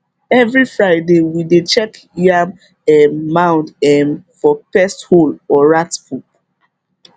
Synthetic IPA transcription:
ɛvɹifɹaɪdewidet͡ʃɛk | ja | ɛmːãʊ̃ndɛmfɔpɛstholɔɹatpʰup̚

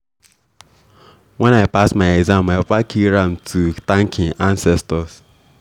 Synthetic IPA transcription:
wɛ̃naɪpastmaɪɛɡzãmaɪpakʰiɹãmtʰutãŋkʰɪ̃ŋãnsɛstɔs

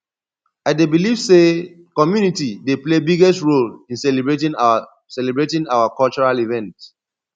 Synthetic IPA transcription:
aɪdebiliv̥se | kɔmjunitideplebiɡɛstɹolĩnsɛlibɹetĩŋ | sɛlɛbɹetĩŋawakɔlt͡ʃɔɹalivɛ̃nt

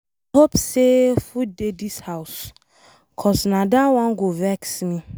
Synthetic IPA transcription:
hopsefudedishaʊs | kʰɔsnãdawãnɡovɛksmĩ

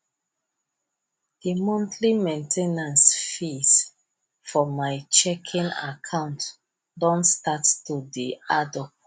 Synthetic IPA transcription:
d̥imɔ̃ntʰlimẽntʰenãnsfis | fɔmajt͡ʃɛkʰĩna̰kʰãʊ̃nt | dɔ̃ntstattudiadɔp̚

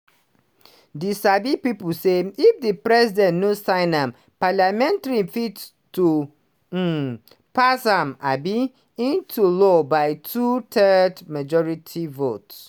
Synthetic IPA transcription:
disabipipuseifdipɾɛsidɛ̃nnũsãɪ̃nãm | palamɛ̃ntaɹifit | tu | pʰasãma̰bi | ĩntʰulɔbaɪtʰutʰɜdmad͡ʒɔɹitʰivots

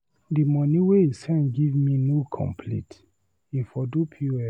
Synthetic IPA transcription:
dimɔniweisɛ̃nɡivminokʰɔ̰̃mpʰlḭ̃t | ifɔdupʰjuɛ

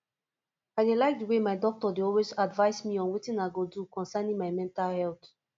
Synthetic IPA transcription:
aɪdelaɪk̚dəwemaɪdɔk̚tɔdeɔlwezadvaɪsmiɔ̃nwitĩnaɪɡodukɔ̃nsɛnĩŋmaɪmɛ̃ntalhɛlt

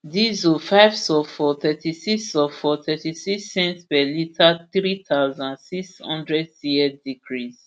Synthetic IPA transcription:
dizufaɪvsɔfɔt̪ɛtisiksɔfɔt̪ʰɛtisiksɛ̃ntpɛlitʰaθɹit̪ʰaʊzãnsikshɔ̰̃ndɹɛdsiɛdikʰɹiz

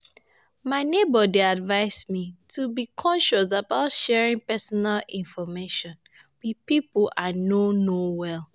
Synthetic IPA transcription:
maɪnebədiadvaɪsmitʰubikʰɔ̃nʃɔsabaʊtʃɛɹĩŋpɛsɔnalĩnfɔmeʃɔ̃n | wipiplʔanonowɛl

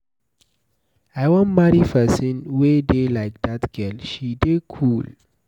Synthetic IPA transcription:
aɪwɔ̃nmaɾifɛsĩnwedelaɪk̚d̪atɡ̥ɛlʃidekʰul

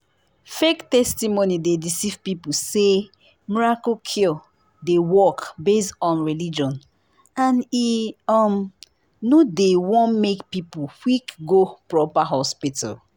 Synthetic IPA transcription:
fektɛstimonidedisivpipuse | miɹakokʰi | dewɔkbestɔ̃nɹilid͡ʒɔ̃n | ãniɔm | nodewɔ̃nmekpipuwikɡopɹɔpaɦɔspita̰l

